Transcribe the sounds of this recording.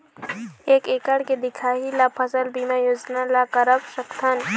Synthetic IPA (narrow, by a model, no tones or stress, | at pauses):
eːkeːkɐɽked̪ɪkʰaːɦilapʰɐsɐlbimajuznalakɐɾɐbʃɐkt̪ʰɐn